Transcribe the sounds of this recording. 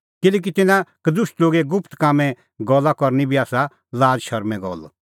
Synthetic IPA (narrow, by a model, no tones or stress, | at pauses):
kɪlɛːk̬it̪ɪnãkd̪ʊsʈloːɡeɡʊpʰt̪kaːmɛ̃ | ɡɔlːakɔɾnibʱiaːsa | laːd͡ʒʃɐɾmɛ̃ɡɔ̰l